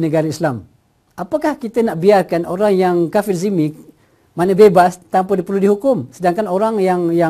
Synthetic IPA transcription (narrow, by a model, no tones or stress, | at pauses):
nəɡaɾaislam | ʔapakahkit̪ənaʔbiarkanoɾaŋjaŋkafɪrzimi | manəbebast̪ampədipərludiɦukʊmsədaŋkanoɾaŋjaŋja